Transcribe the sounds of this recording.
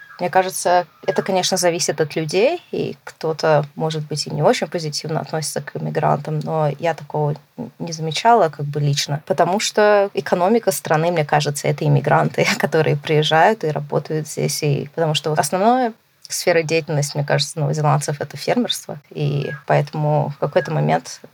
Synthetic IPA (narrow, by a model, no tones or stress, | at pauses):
mnʲekaʐɨt̪səɛt̪əkɐnʲeʂnəzɐvʲisʲɪt̪ɐt̪lʲʉdʲejḭkt̪o̞t̪əmo̞ʐɨd̪̚bɨtʲɪnʲɪo̞t͡ɕɪnʲpəzʲɪtʲʰivnəɐt̪nosʲɪ̥t̪səkʰɪmʲɪɡɾa̰nt̪əmnojat̪ɐko̞vənʲɪzəmʲɪt͡ɕalˠəkaɡ̚bɨlʲit͡ɕnəpət̪ɐmuʂt̪oɪkɐno̞mʲɪkəst̪ɾɐnɨmnʲekaʐɨt̪səɛt̪əɪmʲɪɡɾʔant̪ɨkɐt̪o̞ɾɨ̰jəpɾʲɪjɪʐːajʊt̪ɨɾɐbo̞̰t̪əjʊt̪zʲdʲḛsʲḭpət̪ɐmuʂt̪oɐsnɐvnojə | sfʲeɾədʲejɪtʲɪlʲnəsʲtʲmnʲekaʐɨt̪sənəvəzʲɪlˠant̪səfɛt̪əfʲermʲɪrst̪və̰ḭpɐɛt̪əmʊfkɐko̞jt̪əmɐmʲʔḛnt̪